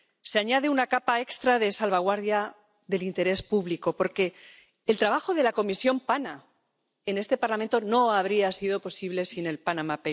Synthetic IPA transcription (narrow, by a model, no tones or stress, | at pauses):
seaɲaðeunakapae̞kst̪ɾaðe̞salβaɣ̞waɾðja | ðe̞lint̪e̞ɾe̞spuβlikopo̞ɾke̞ː | lt̪ɾaβaxo̞ðe̞lako̞misjo̞mpana | e̞ne̞st̪e̞paɾlamẽ̞nt̪o̞no̞aβ̞ɾiasiðo̞po̞siβle̞sine̞lpanamape